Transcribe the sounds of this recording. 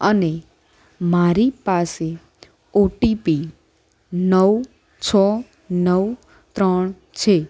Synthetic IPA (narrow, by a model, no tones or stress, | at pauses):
əne | maɾipase | oʈipi | nəʋ | t͡ʃʰə | nəʋ | t̪ɾəɳ | t͡ʃʰe